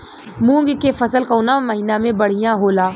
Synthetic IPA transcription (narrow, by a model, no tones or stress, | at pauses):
mũːŋɡkefɐsəlkoːnamɐɦiːnamẽbɐɽ̤ijãɦoːlaː